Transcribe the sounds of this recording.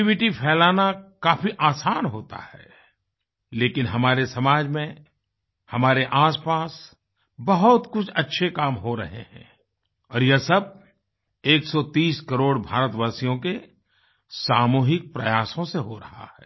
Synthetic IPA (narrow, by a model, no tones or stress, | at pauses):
ʋɪʈipʰɛːlaːnakaːfiʔaːsaːnɦoːt̪a̰hɛ̰ː | leːkɪnɦɐmaːɾesɐmaːd͡ʒmẽ | hɐmaːɾeʔaːspaːs | bɐɦʊt̪kʊt͡ʃʰɐtːʃʰekaːmɦoɾɐ̰ɦḛɦɛ̰̃ | ɔːɾjɐsɐb̚ | eːksɔt̪iːskɐɾoːɽbʱaːɾət̪ʋaːsijõke | saːmuːɦɪk̚pɾɐjaːsõseɦoɾɐɦa̰hɛː